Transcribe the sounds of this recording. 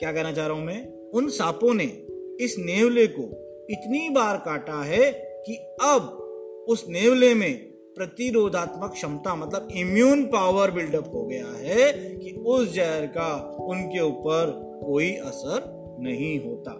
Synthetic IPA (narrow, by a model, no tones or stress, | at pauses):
kjaːkɛɦnat͡ʃaːɾõmẽ | ʊnsaːpõne | ɪsneːwleko | ɪt̪nibaːɾkaːʈaɦɛki | ɐb̚ | ʊsneːwlemẽ | pɾɐt̪iɾoːd̪ʱaːt̪məkʃɐmt̪amɐt̪ləbɪmjuːnpaːʋəɾbɪlɖəpɦoɡɐja̰ɦɛkiʊsd͡ʒɛɦɾka | ʊnkeuːpəɾ | koːiʔɐsəɾ | nɐɦĩɦoːt̪a̰ː